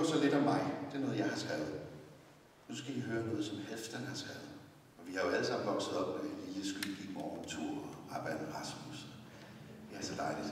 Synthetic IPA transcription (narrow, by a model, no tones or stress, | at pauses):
sɒle̝d̥ɒ̽mːɑ̈ɪd̥e̝æɐnɔ̽ːð̞̩ˠjɑ̈ɪhɑ̈t͡sʰælð̩ˠ | nusɡ̥æʋiɦøːɐnɔ̽ːð̞̩ˠsɒ̽mhefd̥ənhɑ̈t͡sʰælð̩ˠ | ɒ̽ʋihɑ̈jo̝æləsɑ̈m̰n̩ʋɒ̽ɡ̥səð̞̩ˠɒ̽b̥medeliːləsɡ̥y̥ɡ̥i̥mɒːnt͡sʰuɐ̰ɒɑb̥æd̥̩ʁɑ̈smusɒ | ʋihɑsɒd̥ɑ̈ɪli̥